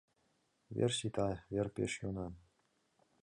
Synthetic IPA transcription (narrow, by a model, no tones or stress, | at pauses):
ʋʲḛrɕit̪ɑvʲerpʲeʂjunɑ